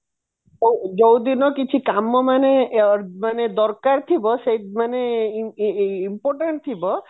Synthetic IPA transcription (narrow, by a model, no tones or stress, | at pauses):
od͡ʒowd̪inɔkit͡ʃʰikamɔmanemaned̪ɔɾkaɾt̪ʰibɔʃemane | impɔɾʈeɳʈ̚t̪ʰibɔ